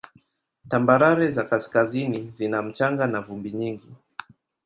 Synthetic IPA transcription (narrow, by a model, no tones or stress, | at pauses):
tambaɾaɾɛzakaskazinizinam̩t͡ʃaŋɡanavumbiɲiŋɡi